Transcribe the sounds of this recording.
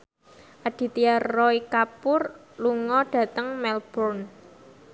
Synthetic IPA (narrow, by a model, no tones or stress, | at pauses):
ʔad̥i̤t̪iarːɔikapʊr | luŋɔɖ̥ä̤t̪əŋmɛlb̥ɔrn